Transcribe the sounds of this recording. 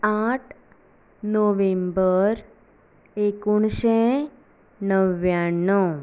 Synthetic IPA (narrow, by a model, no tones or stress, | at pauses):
aʈʰ | noʋẽmbəɾ | ekuɳɕɛ | nəʋjanːɔ